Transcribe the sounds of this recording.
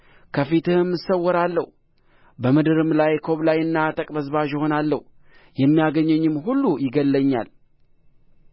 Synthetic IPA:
kʰəfit̪ʰɨhɨmːɨsəwːɔɾalːə̰hu | bəmɨd̪ɨɾɨmlajkʰo̞βlajɨnːat̪ʼəkʼbəzβaʒɪho̞nalːə̰h | jɛmːijaɡəɲːɛɲːɪmɦulːujɪɡəlːəɲːa̰l

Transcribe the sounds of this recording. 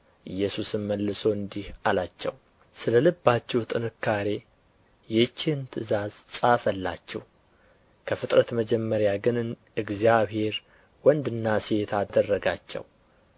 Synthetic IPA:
ʔɨjːɛsusɨmməlːɨso̞ɨnd̪ihalat͡ʃːɛ̰w | sɨləlɨbːat͡ʃːɛwt̪ʼɨnɨkʰːaɾe̞ | jɛt͡ʃːɪhɨnt̪ʰɨzazsʼafəlːa̰t͡ʃːɛ̰w | kʰəfɨt̪ʼɾət̪məd͡ʒɛmːəɾjaɡɨnn | ɨɡzijaβhe̞ɾ | wɔnd̪ɨnːaset̪ʰad̪ərːəɡat͡ʃːɛ̰w

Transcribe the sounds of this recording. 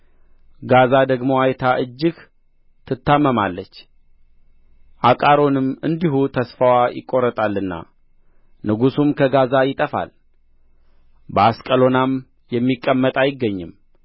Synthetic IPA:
ɡazad̪əɡmo̞ajt̪ʰaʔɨd͡ʒːɪɡ | t̪ʰɨt̪ʰːamːəmalːət͡ʃː | ʔakʼaɾo̞nɨmɨnd̪iɦut̪ʰəsfəwajɪ̰kʼːo̞ɾət̪ʼalːɨnːa̰ | nɨɡusumkʰəɡazajɪt̪ʼəfa̰l | bəaskʼəlo̞nam | jɛmːikʼːəmːət̪ʼajɪɡːəɲːɨm

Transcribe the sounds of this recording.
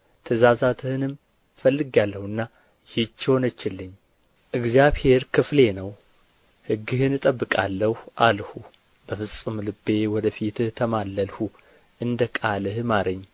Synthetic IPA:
t̪ʰəzazat̪ʰɨhɨnɨm | fəlːɨɡalːəhɨnːa | jɪt͡ʃːɪho̞nət͡ʃːɪlːɨɲː | ʔɨɡzijaβhe̞ɾkʰɨfle̞nəw | hɨɡːɨhɨnɨt̪ʼəbːɨkʼalːəhʔalhu | bəfɨsʼɨmlɨbe̞wɔd̪əfit̪ɨt̪ʰəmalːəlhu | ʔɨnd̪əkʼalɨhmaɾəɲː

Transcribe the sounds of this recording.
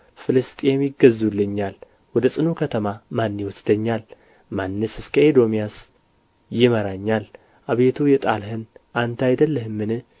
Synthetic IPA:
fɨlɨst̪ʼɛmjɪɡəzːulːɨɲːal | wɔd̪əsʼɨnukʰət̪ʰəmamanːiwɔsd̪̥əɲːal | manːɨsɨskʰəed̪o̞mijas | jɪməɾaɲːal | ʔaβet̪ʰujɛt̪ʼalɦɨnʔant̪ʰajd̪əlːəhɨmːɨnɨ

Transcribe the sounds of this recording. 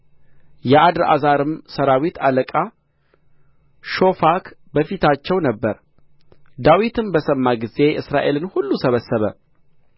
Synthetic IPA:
jɛʔad̪ɾa̰zaɾɨmsəɾawit̪ʰaləkʼa | ʃo̞fakʰbəfit̪ʰat͡ʃːɛwnəbːəɾ | d̪awit̪ʰɨnbəsəmːaɡize̞ʔɨsɾaʔe̞lɨnhulːusəβəsːəβə̰

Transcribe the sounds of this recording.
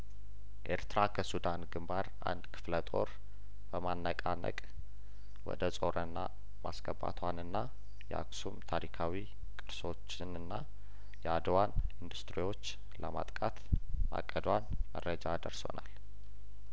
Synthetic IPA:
ʔe̞ɾt̪ʰɾakʰəsud̪anɡɨmbaɾ | a̰nd̪kʰɨ̥flət̪ʼo̞ɾ | b̥əmanːəkʼanə̰kʼ | wɔ̰d̪əsʼo̞ɾənːa̰ | masɡəbːa̰t̪ʰwanɨnːa | jɛʔa̰ksumt̪ʰaɾikʰawi | kʼɨɾso̞t͡ʃːɪnɨnːa | jɛad̪əwanind̪ust̪ʼɾiwo̞t͡ʃː | ləma̰t̪ʼkʼat̪ma̰kʼːəd̪wanməɾːəd͡ʒad̪əɾso̰nal

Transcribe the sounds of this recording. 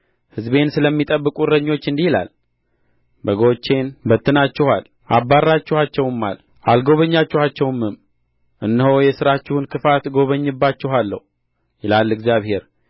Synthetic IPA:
hɨzbe̞nsɨləmːit̪ʼəbːɨkʼuɾəɲːo̞t͡ʃːɨnd̪ihila̰l | bəɡo̞t͡ʃːe̞nbət̪ːɨnat͡ʃːɪhal | ʔabːarːat͡ʃːɪhat͡ʃːɛwmːa̰l | ʔalɡo̞βəɲːat͡ʃːɪhat͡ʃːɛwmːɨm | ʔɨnːhojɛsɨɾat͡ʃːɪhunkʰɨfat̪ɡo̞βəɲːɨbːat͡ʃːɪɦalːə̰hu | jɛlalːɨɡzijaβhe̞ɾ

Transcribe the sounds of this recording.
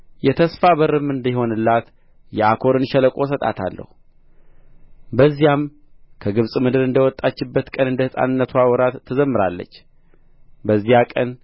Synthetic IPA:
jɛt̪ʰəsfaβəɾɨmːɨnd̪iho̞nɨlːat̪ | jɛakʰo̞ɾɨnʃɛləkʼo̞sət̪ʼa̰t̪ʰa̰lːə̰hu | bəzːijam | kʰəɡɨβsʼmɨd̪ɨɾɨnd̪əwɔt̪ʼːat͡ʃːɪbːət̪kʼənɨnd̪əhɨsʼa̰nɨnːət̪ʰwawɔɾat̪ʰːəzəmːɨɾalːə̰t͡ʃː | bəzːijakʼən

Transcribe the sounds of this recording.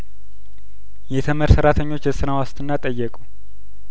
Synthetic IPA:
jɛt̪ʰəməɾsəɾat̪ʰəɲːo̞t͡ʃːəsɨɾawast̪ʰʼɨnːat̪ʼəjːɛkʼu

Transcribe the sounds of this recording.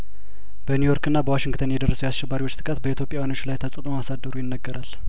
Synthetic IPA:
b̥ənjujo̞ɾkɨnːabəwaʃɪŋɡt̪ʰənjɛd̪ərːəsujasʃɛbːaɾiwot͡ʃːt̪ʼɨ̥kʼət̪bəit̪ʰjo̞pʼjawano̞t͡ʃːlajt̪ʰəsʼət̪ʼumasad̪ːəɾujɪnːəɡːəɾal

